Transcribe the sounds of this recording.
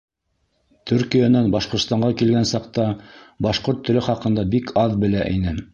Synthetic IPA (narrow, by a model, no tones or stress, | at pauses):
t̪ʰʉɾkijanænbɑʃqŏɾt̪st̪ɑɴɢɑkilɡænsɑq̚t̪ɑbɑʃqoɾt̪ːɵ̆lɘχɑqɤ̆nd̪ɑbikʰɑðbɘ̆læʔḭnɘ